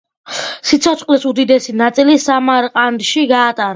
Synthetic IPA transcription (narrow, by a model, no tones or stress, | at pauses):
sit̪sʰɔt̪sʼqʼlɛsud̪id̪ɛsinat̪sʼilisamaɾqʼand̪ʃiɡaːt̪ʼaɾ